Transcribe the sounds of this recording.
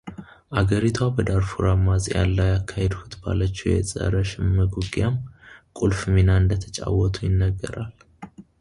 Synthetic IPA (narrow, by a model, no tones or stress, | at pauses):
ʔaɡəɾit̪ʰwabəd̪aɾfuɾamazʼja̰lːajakʰːahed̪hut̪ba̰lət͡ʃːɛjɛ̰sʼə̰ɾəʃɪmːəɡuɡjamkʼulfmenaɨnd̪ət̪ʰə̥t͡ʃʼa̰wːɔt̪ʰʼujɪnːəɡːəɾal